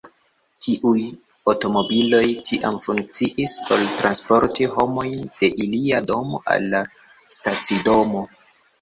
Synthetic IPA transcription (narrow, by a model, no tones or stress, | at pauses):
tʰiʔuj | oto̞mo̞bilo̞jtʰiʔa̰mfuŋk̚t͡siʔispʰo̞ltɾanspo̞ɾtiho̞mo̞jnd̥e̞ʔiliado̞mo̰ʔa̰lːa | stat͡sido̞mo̞